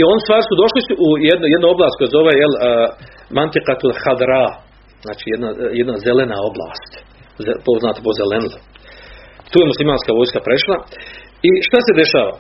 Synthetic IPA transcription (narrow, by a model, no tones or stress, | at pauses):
io̞nist̪ʋaːɾisud̪o̞ʃlisuʔujed̪nujed̪nuo̞blˠaːsko̞jazo̞ʋejelː | mant̪ikat̪uɾaxad̪ɾaː | znaːt͡ʃijed̪najed̪nazelenao̞blˠa̰ːst̪ | zepoznaːt̪epozelenlˠ | t̪uːjemuslimaːnskaʋo̞ːjskapɾeʃlˠa | iʃt̪ased̪e̞ʃaːʋa̰